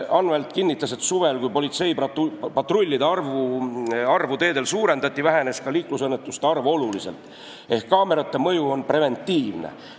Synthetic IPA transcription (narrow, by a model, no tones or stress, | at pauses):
ɑnvelt̪kinʲːit̪ːˑɑse̞t̪ːsuve̞lkujpo̞lʲit̪se̞jpɑpɑt̪rolʲːid̪eɑrvuɑrvut̪e̞ːd̪̥e̞lsuːɾe̞nd̪ɑt̪ʲːˑivæɦe̞ne̞skɑliːklusɤnːet̪ːˑust̪eɑrvo̞lulise̞̰lt̪ | e̞hkːɑːme̞ɾɑt̪ːe̞mɤ̞juo̞npre̞ve̞nʲt̪ːˑiːvnḛ